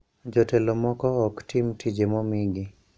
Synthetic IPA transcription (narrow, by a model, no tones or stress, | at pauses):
d͡ʒɔtelomɔkɔɔktimtʰid͡ʒemɔmiɡi